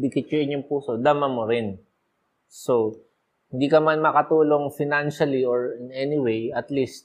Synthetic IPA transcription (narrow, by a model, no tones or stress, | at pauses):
bɪkɪt̪̚ɲoʔɪɲːoŋpuːso̞d̪amɐmoɾɪn | so | hɪnd̪iːkɐmanmɐkɐt̪uːlo̞ŋfɪnanʃɐlioɹɪnɛnɪwejɐt̪list̪̚